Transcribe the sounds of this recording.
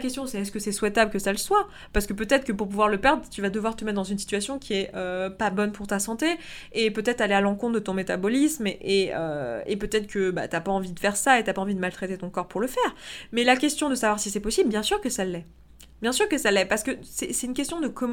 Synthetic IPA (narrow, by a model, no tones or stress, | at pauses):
kʲɛst̪jɔ̃sɛɛskəsɛswɛt̪abləkəsaləswa | paʁsə̥kəpøt̪ɛt̪χkəpuʁp̬uvwaʁləpɛʁd̪ʁət̪yvad̪əvwaʁt̪əmɛt̪̚d̪ɑ̃zynsi̥t̪yasjɔ̃kʲiɛʔøpabɔnpʰuʁt̪asɑ̃t̪e | epøt̪ɛt̪χalealɑ̃kɔ̃t̪̚ʰd̪ət̪ɔ̃met̪abɔlismeʔeø̰epøt̪ɛt̪χkəba̰t̪yapaɑ̃vid̪əfɛʁsaet̪yapaɑ̃vid̪əmalt̪χet̪et̪ɔ̃kɔʁpuʁləfɛːʁmɛlakʲɛst̪jɔ̃d̪əsavwaʁsisɛpɔsiblbjɛ̃syʁkəsalːɛ | bjɛ̃syʁkəsalɛpaʁsə̥kəsɛsɛt̪ynkʲɛst̪jɔ̃d̪əkɔm